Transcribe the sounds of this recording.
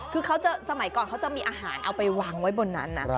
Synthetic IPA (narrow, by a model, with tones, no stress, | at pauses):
kʰɯː˧kʰa˦˥wt͡ɕa˨˩sa˧ma˩˦jkɔː˨˩nkʰa˦˥wt͡ɕa˨˩miː˧ʔaː˧ɦaː˩˦nʔa˧wpa˧jwaː˨˩ŋwa˦˥jbo˧nːa̰˦˥nːa̰˧˩